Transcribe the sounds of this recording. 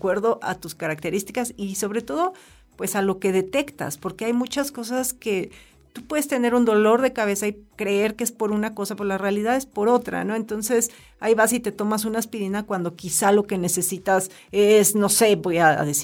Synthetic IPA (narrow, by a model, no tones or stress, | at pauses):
kwe̞ɾðo̞ʔa̰t̪uskaɾak̚t̪e̞ɾist̪ikasiso̞βɾe̞t̪o̞ð̞o̞ | pwe̞salo̞ke̞ð̞e̞t̪e̞kt̪a̰spo̞ɾkeajmut͡ʃasko̞s̬aske̞ | t̪upweðest̪ene̞ɾund̪o̞lo̞ɾðe̞kaβe̞saikɾe̞e̞ɾkeespo̞ɾunako̞sapoɾlarealiðaðe̞spo̞ɾo̞t̪ɾa̰no̞e̞nt̪o̞nse̞s | a̰iβasit̪e̞t̪o̞mas̬unaespiɾinakwand̪o̞kisalo̞ke̞ne̞se̞sit̪as | esno̞se̞βo̞jaðes